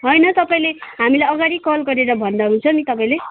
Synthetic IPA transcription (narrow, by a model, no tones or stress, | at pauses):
ɦʌjnʌt̪ʌpaĩleɦamilajʌɡaɽikʌlɡʌɾeɾʌbʱʌnd̪aɦunt͡sʰʌnit̪ʌpãĩle